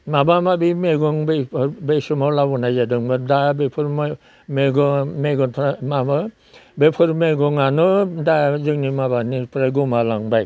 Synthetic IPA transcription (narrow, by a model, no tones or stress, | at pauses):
mabamabimeɡɔŋbepɾbesumɔlabɔnajzadɯŋbadabepʰuɾm | meɡɔmeɡɔnpʰɾamaba | bepʰɯɾmeɡɔŋanɯdazɯŋnimabaniɾpʰɾaɡumalaŋbaj